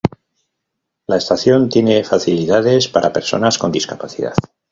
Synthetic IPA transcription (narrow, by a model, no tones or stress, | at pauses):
laest̪aθjo̞nt̪jene̞faθiliðaðe̞spaɾʔape̞ɾso̞̰nasko̞nd̪iskapaθiða̰ð